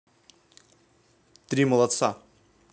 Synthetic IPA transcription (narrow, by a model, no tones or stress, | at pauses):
t̪ɾʲiməlˠɐt̪sa